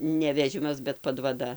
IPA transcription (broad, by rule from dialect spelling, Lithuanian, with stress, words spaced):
nʲɛ ʋʲɛˈʒʲɪmɐs bʲɛt pɐdʋɐˈdɐ